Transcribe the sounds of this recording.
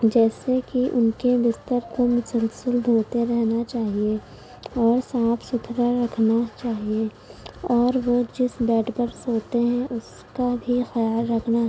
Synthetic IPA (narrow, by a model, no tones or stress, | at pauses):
d͡ʒɛːsekiʔʊnkebɪst̪əɾkomʊsəlsəld̪ʱoːt̪eɾɛɦnat͡ʃaːɦie | ɔːɾsãːpʰsʊt̪ʰɾaɾɐkʰnat͡ʃaːɦie | ɔːɾʋod͡ʒɪsbɛːʈbəɾsoːt̪eɦɛ̃ʔʊs | kabʱixɐjaːlɾɐkʰnaɦɛ